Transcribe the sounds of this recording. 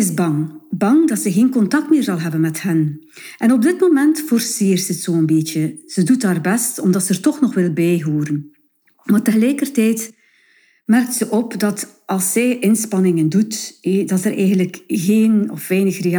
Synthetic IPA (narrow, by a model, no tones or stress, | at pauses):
ɪsbɑŋbɑŋdɑtsəɣeːnkɔntɑk̚tmɪːrzɑlˠɦɛbənmɛthənʔɛnɔb̚dɪtmomɛntfɔrseːrtətsoːənbeːtəz̥ədutaːrbɛstɔmdɑtsəərtɔxnɔxʋɪlˠbɛjɦoːɾən | maːrtəɣəlɛjkərtɛjt | mɛrk̚tsəʔɔpdɑt | ʔɑlˠsːɛjʔɪnspɑnɪŋəndutdɑtərʔɛjɣəndləkɣeːnɔfʋɛjnəxre